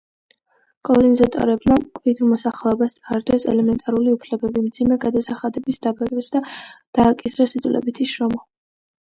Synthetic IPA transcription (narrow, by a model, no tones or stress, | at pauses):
kʼɔlˠɔɾinizat̪ʼɔ̰ɾɛbmakʼwid̪ɾmɔsaχlɛɔbast̪sʼaɾd̪wɛsɛ̰lɛmɛnt̪ʼaɾuliupʰlɛbɛbimd̪zimɛɡad̪asaχad̪ɛbit̪ʰd̪abakʼɛsd̪ad̪̥aːkʼisɾasid̪zʼvlʔɛ̰bit̪ʰiʃɾɔmɔ